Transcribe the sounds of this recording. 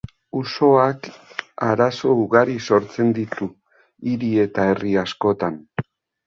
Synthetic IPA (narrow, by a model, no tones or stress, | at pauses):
uso̞akaɾaso̞uɣaɾiso̞ɾt͡se̞nd̪it̪u | iɾie̞t̪ae̞riasko̞t̪an